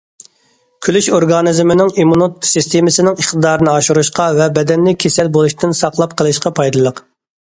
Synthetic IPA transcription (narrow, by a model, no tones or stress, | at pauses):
kʲʰylyʃoɾɡɑnizmɪnɪŋimunut̪sɨst̪ʰemɪsɪnɪŋəχt̪ɨd̪ɑːɾɨnɨɑʃuɾuʃqɑvɛbɛd̪ɛnːɪkʲʰesɛlbolˠuʃt̪ʰɪnsɑqlˠɑp̚qʰəlˠɨʃqɑpʰɑjd̪ɨlˠəq